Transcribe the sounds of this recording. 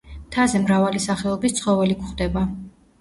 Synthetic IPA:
t̪ʰazɛmɾavalisaχɛɔbist̪sʰχɔvɛlikχd̪ɛba

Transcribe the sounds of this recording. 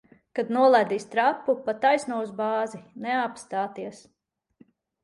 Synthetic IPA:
kad̪nuɔlˠajd̪iːst̪ɾapːupat̪ːajsnuɔuzbaːzinɛapst̪aːt̪iɛs

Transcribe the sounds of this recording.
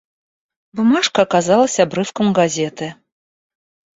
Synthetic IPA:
bumaʂkɐːkazalˠɐsʲɐabɾɨfkɐmɡazʲɛt̪ɨ

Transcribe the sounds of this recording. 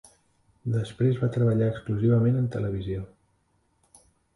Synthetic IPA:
d̪əspɾezβat̪ɾəβəʎaəkskluziβ̞əmenənt̪ələβ̞izio

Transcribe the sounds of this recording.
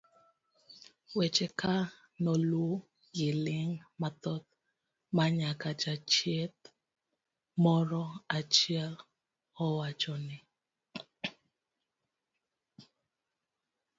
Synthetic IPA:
wet͡ʃɛkʰa | nɔlwo | ɡɪlɪŋmat̪ɔt̪̚ | maɲakad͡ʒat͡ʃjet̪̚ | mɔɾɔat͡ʃiɛl | ɔwat͡ʃɔnɪ

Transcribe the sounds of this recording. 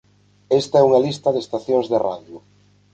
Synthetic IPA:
est̪aɛuŋalist̪aðest̪aθjõŋzðera̰ðjʊ

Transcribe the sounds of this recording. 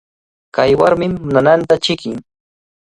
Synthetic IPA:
kajwaɾmɪmːʊnanant̪at͡ʃɪkɪŋ

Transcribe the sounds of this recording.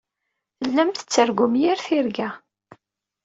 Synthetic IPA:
θəlːæmt̪ə̥t͡sːəɾɡʊmjiɾθiɾɡæ

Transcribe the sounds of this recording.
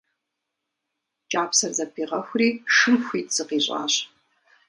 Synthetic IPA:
t͡ʃʼaːpʰsɐrzɐpʰiːʁɐxʷriːʂɨmxʷiːtʼz̥ɨqiːɕʼa̰ːɕ

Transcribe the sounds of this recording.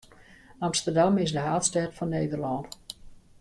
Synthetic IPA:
amstərdamɪsdəɦaːtstɛtfɔnːejdərlɔnt

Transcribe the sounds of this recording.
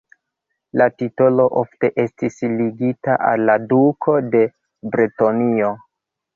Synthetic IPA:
latito̞lo̞ʔo̞fte̞ʔe̞stisliɡitaʔa̰lːadukʰo̞de̞ | bɾetonio̞

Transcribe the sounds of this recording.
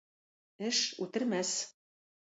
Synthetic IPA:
ɘ̆ʃṵt̪ɘ̆rmæs

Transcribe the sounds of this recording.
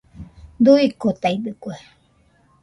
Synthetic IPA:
d̪uikot̪ajd̪ɨkʷe

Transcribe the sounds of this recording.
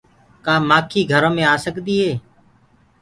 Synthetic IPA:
kaːmaːkʰiːɡʱəɾõːmẽːaːsəkd̪iːɦeː

